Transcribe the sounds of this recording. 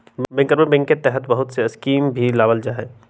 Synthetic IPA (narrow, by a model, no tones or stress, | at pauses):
bɛ̃ŋkːəɾmẽbɛ̃ŋkːet̪ɛɦət̪bɐɦʊt̪seɐskiːmbʱilaːʋəld͡ʒaːɦɛː